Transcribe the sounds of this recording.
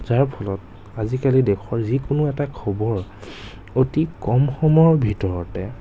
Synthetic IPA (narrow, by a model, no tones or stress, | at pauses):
zaɹpʰɔlɔt̚ | azikalidekʰɔɹzikʊnʊɛtakʰɔbɔɹ | otikɔmxɔmɔɹbʱitɔɹɔtɛ